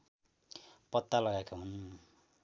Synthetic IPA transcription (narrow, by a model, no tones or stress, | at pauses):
pʌt̪ːalʌɡajkʰaɦun